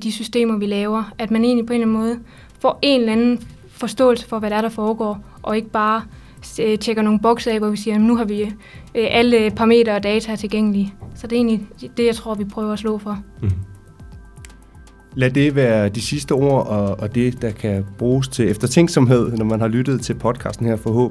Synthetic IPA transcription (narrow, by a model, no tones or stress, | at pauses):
d̥isysd̥e̝̰ːmɐʋilɛːʊɐæd̥mæne̝̰ːnlipʰɒ̽e̝nlænmɔ̽ːð̩ˠ | fɒ̰ːʔe̝nlænn̩ | fɒ̽sd̥ɔ̰̽ːl̩sə̥fɒ̽ʋæɾeæɐɾ̥ɑ̈fɒːɡ̥ɒ̰ː | ʔɒ̽e̝ɡ̥əb̥ɑ̈ː | t͡ɕʰeɡ̥ɐno̝ːn̩b̥ɒ̽ɡ̥sɛ̰ʋɒʋisiːɐjæmnuɦɑ̈ʋi | ʔæləpʰɑ̈me̝̰ːdɐ̽ːd̥ɛːt͡sʰæt͡sʰe̝lɡeŋ̰əlisɒ̽d̥e̝e̝̰ːnlid̥e̝jɑ̈ɪt͡sʰʁo̝ɐ̰ʋipʰʁœːʊɐæslɔ̰̽ːfɒ̽ | læd̥e̝ʋæːɐd̥isisd̥əo̝ɐ̰ɒ̽ːd̥e̝d̥ɑ̈kʰæb̥ʁuːst͡sʰe̝lefd̥ɐt͡sʰeŋɡ̥sɒ̽mɦe̝ð̞̰ˠnɒmænhɑ̈lyɾ̥ð̩ˠt͡sʰe̝lpʰɒ̽d̥̚kʰɑ̰̈ːsd̥n̩hæɐ̰fɒ̽ɦɔ̰ːb